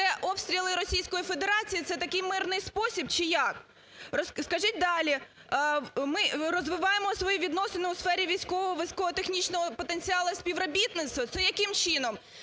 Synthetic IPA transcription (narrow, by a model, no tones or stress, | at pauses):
ɛʔɔpst̪ɾʲilˠɪɾɔsʲijsʲkɔjifed̪eɾɑt͡sʲijit̪sɛt̪ɐkɪjmɪrnɪjspɔsʲibt͡ʃɪjɑk | rɔsskɐʒit̚ʲd̪ɑlʲi | mɪrɔzʋɪʋɑjemɔsʋɔjiʋʲid̪nɔsenɪʊsfɛɾʲiʋʲijsʲkɔʋɔɦɔʋɐsʲkɔɦɔt̪exnʲit͡ʃnɔɦɔpɔt̪enʲt͡sʲiɑlˠɐsʲpʲiʋɾɔbʲit̪nɪt̪st̪ʋɐt̪sɛjɐkɪmt͡ʃɪnɔm